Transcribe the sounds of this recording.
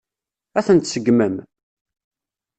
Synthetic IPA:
æθənt̪səɡməm

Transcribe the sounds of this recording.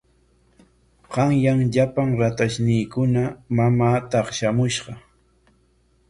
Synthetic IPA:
ɢɑŋjaŋʎapaŋɾat̪aʃnɪjkʊnamamaːt̪ɑχʃamʊʃɢɑ

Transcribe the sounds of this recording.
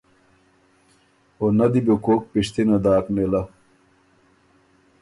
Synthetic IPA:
onɐd̪ibokoːk̚piʂt̪inɐd̪aːknelɐ

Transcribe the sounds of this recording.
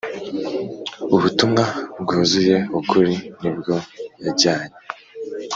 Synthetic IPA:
uβutumŋab̚ɡuːzuje̞ukuɾinibɟo̞jaɟaːɲe

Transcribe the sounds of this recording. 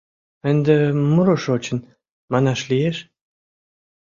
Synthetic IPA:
ənd̪emuɾoʃot͡ɕə̆n | mɑnɑʃlieʃ

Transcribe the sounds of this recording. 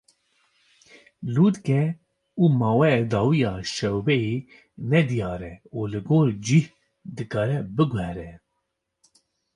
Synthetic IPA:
luːt̪kɛ | uːmɑːwɛd̪ɑːwijɑːʃɛwbɛje | nɛd̪ijɑːɾɛulɨɡoːɾd͡ʒih | d̪ɨkɑːɾɛbɨɡwhɛɾɛ

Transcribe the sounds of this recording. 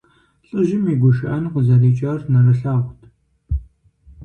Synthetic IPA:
ɬʼɨʒɪmiːɡʷʊʃɪʔɐnqəzɐriːt͡ʃʼarnɐrɐɬaːʁʷtʰ

